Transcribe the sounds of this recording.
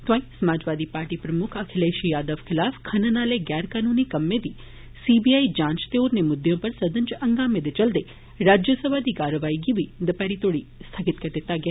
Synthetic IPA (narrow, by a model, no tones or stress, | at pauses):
t̪ãĩsɐmaːd͡ʒʋaːd̪ipaːɾʈipɾəmʊkʰəkʰɪleʃijaːd̪əʋkʰɪlafkʰɐnənaːleɡjɛːɾkaːnunikɐmːed̪i | sibiaid͡ʒãːnt͡ʃt̪eoɾnemʊd̪jõpəɾsəd̪ənt͡ʃɐ̃ŋɡamed̪et͡ʃəld̪e | ɾad͡ʒjəsəbʱad̪ikaɾəʋaːiɡiʋid̪əpaɾit̪oɽist̪ʰaɡɪt̪kəɾd̪et̪aɡe